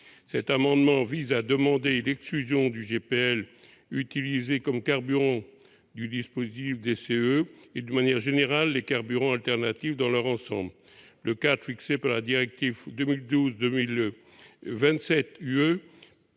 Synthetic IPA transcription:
sɛt̪amɑ̃d̪mɑ̃vizad̪əmɑ̃d̪elɛksklyzjɔ̃d̪yʒepeɛl | yt̪ilizekɔmkaʁbyʁɑ̃ | d̪yd̪ispozit̪ifd̪eseøed̪ynmanjɛʁʒeneʁalːekaʁbyʁɑ̃alt̪ɛʁnat̪ifd̪ɑ̃lœʁɑ̃sɑ̃bl | ləkad̪ʁfiksepaʁlad̪iʁɛk̚t̪ivd̪ømild̪uzd̪ømil | vɛ̃t̪sɛt̪yø

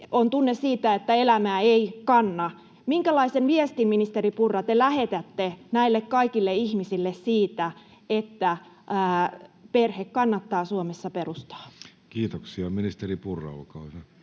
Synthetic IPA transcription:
ont̪unːessiːt̪æet̪ːæelæmæːeikɑnːɑ | miŋkælɑisenʋiest̪immːinist̪eripurːɑt̪elæhet̪æt̪ːenæilːekkɑikilːeihmisilːessiːt̪æ | et̪ːæ | perhekkɑnːɑt̪ːɑːsuomesːɑperust̪ɑ̥ːkiːt̪oksiɑminist̪eripurːɑ̰lkɑːse

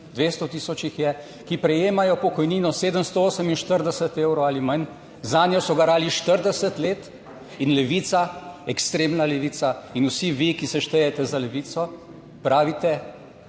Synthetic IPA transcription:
d̪ʋeːst̪ɔt̪iːsɔt͡ʃixjɛ | kipɾɛjeːmajɔpɔkɔjniːnɔseːd̪əmst̪ɔoːsəminʃt̪əɾd̪ɛsət̪eːwɾowaːlimɐn | zaːnjɔsɔɡaɾaːliʃt̪əɾd̪ɛsət̪leːt̪ | inlɛʋit̪saɛkst̪ɾeːmnalɛʋiːsainusiʋikisɛʃt̪ɛjɛt̪ɛzalɛʋiːt̪sɔ | pɾaːʋit̪ɛ

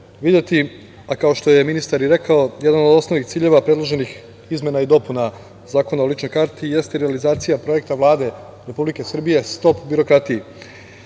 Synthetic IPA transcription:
ʋid̪jet̪i | akao̞ʃt̪o̞je̞minist̪aɾiɾe̞kaojed̪anod̪o̞sno̞ʋnixt̪siːʎe̞ʋapɾe̞d̪lˠoʒe̞nix | izmʲje̞naid̪o̞puna | zaːko̞naolit͡ʃno̞jkaɾt̪ije̞st̪eɾealizaːt̪sijapɾo̞je̞kt̪aʋlˠaːd̪e̞ | ɾe̞publike̞sr̩bije̞st̪o̞pbiɾo̞kɾat̪iji

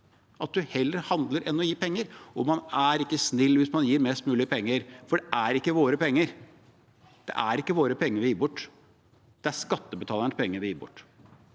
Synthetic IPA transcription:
ʔɑt̪̚d̪ʉhɛlːəɾhɑnd̪ləɾʔɛnːɔjiːpʰɛŋːəɾʔɔmɑnæɾɪkːəsnɪlːʋɪsmɑnjiːɾmɛːst̪mʉːlɪəpʰɛŋːəɾfɔɖɛʔæɾɪkːəʋoːɾəpɛŋːəɾ | d̪̥ɛ̰ʔæɾɪkːəʋoːɾəpʰɛŋːəɾʋɪjiːbʊʈː | d̪̥ɛæɾʂkɑt̪ːəbət̪ʰɑːlənəspʰɛŋːəɾʋɪjiːbʊ̰ʈː

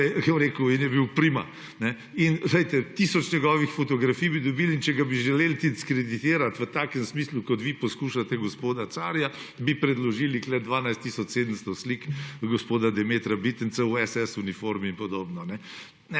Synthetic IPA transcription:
kɐɾeːkuinjɛbiwpɾima̰ | nɛ | inzlɛjt̪ɛt̪isɔt͡ʃɲɛɡɔːʋixfɔt̪ɔɡɾafijbid̪ɔbilint͡ʃɛɡabiʒɛleːlt̪id̪iskɾed̪it̪eːɾat̪ʋət̪aːkənsmiːslukɔt̪ʋipɔskuʃat̪ɛɡospoːd̪at̪saɾja | bipɾɛd̪lɔʒiːliklɛd̪ʋaːnajst̪isɔt͡ʃsed̪əmst̪ɔslikɡospoːd̪ad̪ɛmeːt̪ɾabit̪ənsɛuɛsɛsunifoɾminpɔd̪oːbnɔnɛ | nɛ

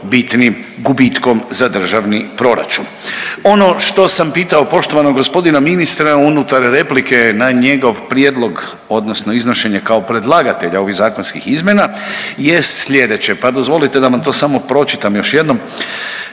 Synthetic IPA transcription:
bit̪nim | ɡubit̪ko̞mzad̪r̩ʒaʋnipɾo̞ɾa̰t͡ʃun | o̞no̞ʃt̪o̞sampiːt̪ao̞po̞ʃt̪o̞ʋanoɡospo̞d̪inaminist̪ɾaunut̪aɾɾe̞plike̞naɲe̞ɡo̞ʋpɾjed̪lˠo̞ɡ | o̞d̪nosno̞izno̞ʃe̞ɲekao̞pɾe̞d̪lˠaɡat̪e̞ʎao̞ʋiɣzaːko̞nskixizmje̞naje̞st̪sʎʲe̞d̪e̞t͡ɕe̞pad̪o̞zʋo̞lit̪ed̪aʋant̪o̞ːsamo̞pɾo̞t͡ʃit̪amjo̞ʃje̞d̪no̞m

